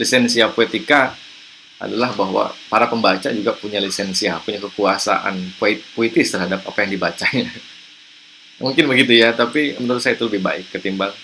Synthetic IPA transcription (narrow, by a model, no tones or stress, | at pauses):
lisɛnsiapoet̪ika | a̰dalahbaɦwa̰paɾapəmbat͡ʃa̰d͡ʒuɡapuɲalisɛnsiapuɲakəkuasa̰ʔa̰npoipoit̪ɪst̪ərhadap̚a̰pajaŋdibat͡ʃaɲa | muŋkɪnbəɡit̪ujat̪apimənəɾut̪sajait̪uləbɪhba̰ɪkːət̪imbal